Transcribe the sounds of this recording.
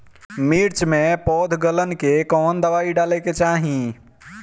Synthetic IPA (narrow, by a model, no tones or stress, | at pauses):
miɾt͡ʃmẽpɔːd̪ʱɡələnkekɔːnd̪əʋaːiɖaːleket͡ʃaːɦĩ